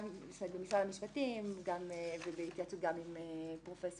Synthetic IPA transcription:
sebemisʁalamiʃpatimɡamevebeit̪jat͡sut̚ɡamimepʁo̞fes

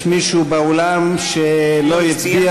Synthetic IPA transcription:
miʃubeolamʃelojit͡sia

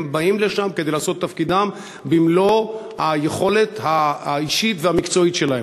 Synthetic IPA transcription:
mbaimle̞ʃamked̪ejlaːso̞t̪ːafkid̪am | bimlo̞ | hajeχo̞le̞t̪haiʃit̪vehamikt͡so̞it̪ʃe̞lahe

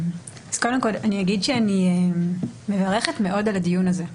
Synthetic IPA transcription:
az̥kodemko̞laniaɡidʃeanieː | evaʁe̞χetme̞ʔo̞daladijunaze̞

